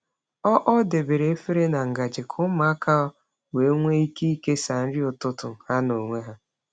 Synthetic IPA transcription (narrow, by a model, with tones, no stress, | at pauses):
ɔ˦ʔɔ˦de˨be˨ɾe˨e˦fe˦ɾe˦na˨ŋ̩˨ɡa˨d͡ʒɪ˨kʰʊ˦ma˨˦ka˦ | we˨˦ŋʷe˦i˦ki˦i˦ke˦sa˨n̩˦ɾɪ˦ʊ˨tʊ˦tʊ˨ha˦no˨ŋʷe˦ɦa˦